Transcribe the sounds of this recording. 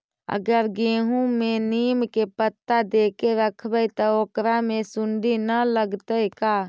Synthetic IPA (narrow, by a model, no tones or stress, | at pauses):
ə̰ɡəɾɡeːɦũmẽniːmkepət̪ːad̪eːkeɾəkʰbɛjt̪ɔoːkɾamẽsʊɳɖinələɡt̪əjkaː